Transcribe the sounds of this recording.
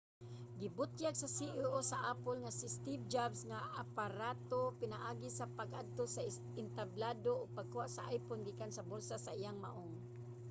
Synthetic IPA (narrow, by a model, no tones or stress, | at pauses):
ɡɪbʊt̪jaɡsasiʔʊʔosaʔaːpʊlŋasɪst̪ivd͡ʒabsŋaʔapaɾat̪opɪnaʔaːɡisapaɡʔad̪̚t̪osa | ɪnt̪ablad̪oʔʊɡ̚paɡ̚kʊhaʔsaʔajpʊnɡiːkansabolsasaijaŋma̰ʔoŋ